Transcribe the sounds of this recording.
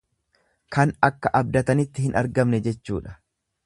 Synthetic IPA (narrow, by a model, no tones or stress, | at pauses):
kɐnɐkːɐʔɐb̚d̪ɐt̪ɐnɪt̪ːɪhɪnʔɐ̰ɾɡɐmnɛd͡ʒɛt͡ʃːṵːᶑɐ̥